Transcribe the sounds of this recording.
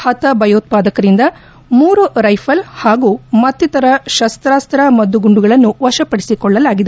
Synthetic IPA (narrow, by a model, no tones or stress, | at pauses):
hɐt̪ɐbʱɐjoːt̪̚paːd̪ɐkɐɾind̪ɐ | muːɾuɾɐjpʰɐlhaːɡuːmɐt̪ːit̪ɐɾɐʃɐst̪ɾaːst̪ɾɐmɐd̪uɡuɳɖuɡɐɭɐnːuʋɐʃɐpɐɽisikɔɭːɐlaːɡid̪e